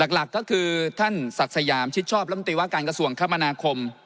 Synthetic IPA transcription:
la˨˩k̚la˨˩kːɔː˥˩kʰɯː˧t̪ʰa˥˩nsa˨˩k̚sa˧jaː˩˦mt͡ɕʰi˦˥t̚t͡ɕʰɔː˥˩p̚ɾɛ˦˥˩nt̪iː˧waː˥˩kaː˧nka˧su˧˩əŋkʰaː˦˥˩ma˧naː˧kʰo˧m

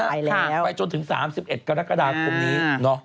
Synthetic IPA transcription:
a˥˩˧a˦˥˧pa˧jt͡ɕo˧nt̪ʰɯ˩˦ŋsa̰ː˩˦msi˨˩p̚ʔe˨˩t̪̚kaː˧ɾaː˦˥kːa˧daː˧ko˨˩niː˦˥nɔ˦˥

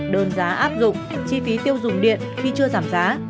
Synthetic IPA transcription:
ɗəː˨˩nzaː˨˦ʔaː˦˥p̚zʊ̰˧˨ŋ͡mt͡ɕi˧fi˨˦t̪i˧əwzʊ̰˧˩ŋ͡mɗḭ˧˨ənxi˧t͡ɕɨ˧əzaː˧˩mzaː˨˦

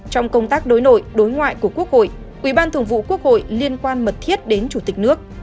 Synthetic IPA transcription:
t͡ɕɔ˧wŋ͡mkə˧wŋ͡mt̪aː˦˥k̚ɗo˨˦jno˧˩˨jɗo˨˦jŋwa̰ː˧˨jku˧˩əku˦˥ək̚ho̰˧˨j | ʔwi˧˩ɓaː˧nt̪ʰɨ˧˩əŋvṵ˧˨ku˦˥ək̚ho̰˧˨jli˧ənkwaː˧nmə˨˩t̚t̪ʰi˦˥ət̚ɗe˨˦nt͡ɕu˧˩t̪i˨˩k̟̚nɨ˦˥ək̚

